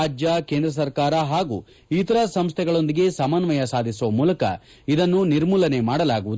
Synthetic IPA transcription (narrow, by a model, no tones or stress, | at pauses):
aːd͡ʒjɐke̞ːnd̪ɾɐs̬ɐɾkaːɾɐɦaːɡu | it̪ɐɾɐsɐmst̪ʰɛɡɐɭo̞nd̪iɡe̞sɐmanʋɐjɐsaːd̪ʱisuʋɐmuːlɐkɐ̰ | id̪ɐnːuniɾmuːlɐne̞maːɽɐlaːɡuʋud̪u